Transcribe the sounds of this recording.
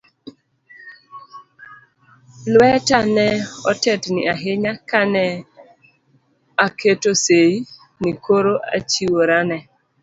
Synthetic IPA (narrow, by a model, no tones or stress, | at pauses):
lwɛtanɛɔtɛtnɪ̰ʔaɦɪɲakanɛ | akʰetosei | nikoɾoʔa̰t͡ʃiwoɾanɛ